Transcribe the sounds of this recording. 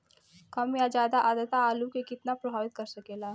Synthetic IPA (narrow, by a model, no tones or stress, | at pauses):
kəmjad͡ʒaːd̪aʔad̪ət̪aːlukekɪt̪napɾɐbʱaːʋit̪̚kəɾsəkeːla